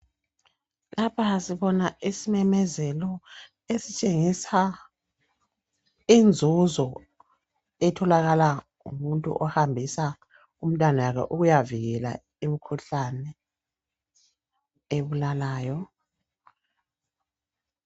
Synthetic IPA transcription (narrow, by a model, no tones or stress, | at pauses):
lapʰasiβɔnaisimɛmɛzɛlɔ | esit͡ʃʼeŋisa | ind͡zʱuzɔ | ɛtʰɔlaɣala | ṵmuntʼṵʔɔhambʱisa | um̩tʼwanajakʰɛ̰ʔuɣujaviɣɛla̰ | imikʰuɬanɛ | eβulalaːjɔ